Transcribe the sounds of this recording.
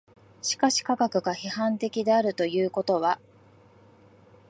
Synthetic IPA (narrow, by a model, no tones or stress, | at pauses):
ɕi̥kaɕi̥kaɡakɯ̟ɡaçihãnt̪e̞kʲid̪e̞aɾɯ̟t̪o̞jɯ̟ːko̞t̪o̞βa